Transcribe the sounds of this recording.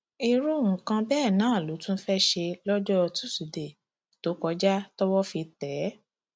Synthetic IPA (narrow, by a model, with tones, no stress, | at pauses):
i˧ɾu˦˨ŋũ˨kã˧bɛː˦˨nãː˨˦˨lu˨˦tũ˦fɛ˦ʃe˧lɔ˦d͡ʒɔ˦ɔ˧tu̥˦su˨de˨ | to˨˦kɔ˧d͡ʒa˦tɔ˦wɔ˦fi˧tɛ˨˦